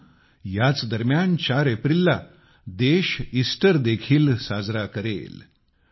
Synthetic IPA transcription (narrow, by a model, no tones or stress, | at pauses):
jat͡sd̪əɾmjant͡ɕaɾepɾilːa | d̪eɕisʈəɾd̪ekʰiːlsad͡zɾakəɾḛl